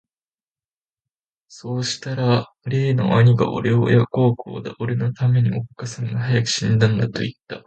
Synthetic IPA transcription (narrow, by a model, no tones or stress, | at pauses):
so̞ːɕi̥t̪aɾa | ɾe̞ːno̞̰ʔaɲ̟iɡa̰ʔo̰ɾe̞o̰jako̞ːkʰo̰ːd̪aʔoɾe̞no̞t̪ame̞ɲ̟io̞kːasãŋɡahajakɯ̟̥ɕĩnd̪ãnd̪at̪o̞̰it̪ːa